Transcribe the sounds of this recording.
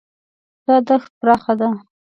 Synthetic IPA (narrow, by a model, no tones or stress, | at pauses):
d̪̥ɑd̪axt̪̚pɾɑxad̪a